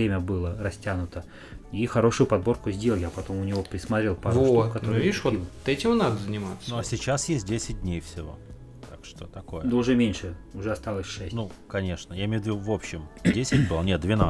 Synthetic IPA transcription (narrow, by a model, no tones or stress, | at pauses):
ɾʲemʲəbɨlˠəɾɐsʲtʲanʊt̪ə | ixɐɾo̞ʂʊjʊpɐd̪̚bo̞rkʊzʲdʲe̞lˠkʲɪɐpɐt̪o̞mʊnʲɪvo̞pɾʲɪsmɐt̪ɾʲe̞lˠpaɾokɐt̪ovʲivoilˠt̪ɛtʲɪmnad̪əzənʲɪmat̪snuɐsʲɪt͡ɕasjesʲt̚ʲdʲesʲɪt̚ʲdʲnʲejfsʲɪvo̞̰ | t̪akʂt̪ot̪ɐko̞jəd̪oʊʐɛmʲenʲʂɨʊʐɛɐst̪ɑlˠəsʲʂɛsʲnukɐnʲe̞ʂnəjaɪmʲevɪd̪uvo̞pɕːɪmdʲesʲɪtʲbɨlˠənʲet̪̚d̪vʲɪna